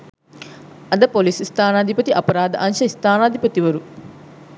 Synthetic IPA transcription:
ɐd̪ɐpolisist̪ʰaːnaːd̪ʱipɐt̪iʔɐpɐɾaːd̪əʔɐnʃɐist̪aːnaːd̪ʱipɐt̪iʋɐɾu

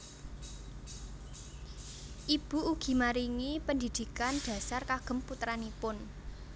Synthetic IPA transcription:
ʔib̥ṳuɡ̥i̤maɾiŋipəndid̪̥i̤kanɖ̪̥a̤sarkaɡ̥ə̤mput̪ɾanipʊn

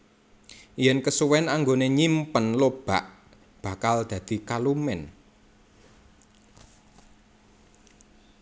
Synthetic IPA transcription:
jɛnkəsuwɛnaŋɡoneɲimpənlob̥a̤ʔ | b̥a̤kald̪̥ä̤d̪̥i̤kalumɛn

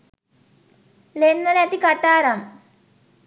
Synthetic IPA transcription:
lenːɐlɛt̪ikaʈːaːɾaŋ

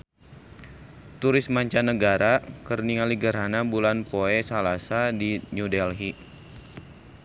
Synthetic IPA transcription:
t̪uɾɪsmaɲt͡ʃanəɡaɾakərniŋaliɡərɦanabulanpoɛsalasadiɲudɛlɦi

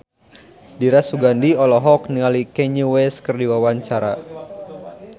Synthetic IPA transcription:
diɾasuɡandiɔlɔɦɔk̚niŋalikɛɲuwɛskɨrdiwawaɲt͡ʃaɾa

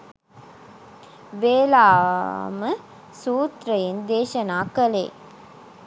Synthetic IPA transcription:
ʋeːlaːmə | suːt̪ɾɐjend̪eːʃɐnaːkəlḛː

